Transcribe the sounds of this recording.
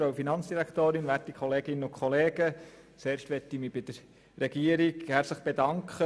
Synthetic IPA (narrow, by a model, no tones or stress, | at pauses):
ɾɑʊfinɑnt͡sd̥iɾækt̪oːɾɪnʋæɾtikʰχɔleːɡɪnəʊkʰχɔleːɡə | t͡seːɾʃtʋɛtːimibɪd̥əɾ | rɛɡ̥iːəɾikhæːɾsəχb̥edɑŋkχə